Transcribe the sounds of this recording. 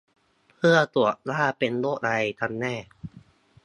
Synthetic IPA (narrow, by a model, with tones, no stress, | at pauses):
pʰɯ˥˩ɐət̪u˨˩ə˩t̚laː˥˩pe˧nloː˥˩ʔ̚ɾa˧jt̪ʰa˧˥nːɛː˥˩